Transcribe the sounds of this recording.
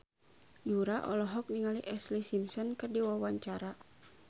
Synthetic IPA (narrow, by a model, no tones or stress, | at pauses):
duɾaʔɔ̰lɔɦɔk̚niŋaliʔɛslisimsɔnkɨrdiwawaɲt͡ʃaɾa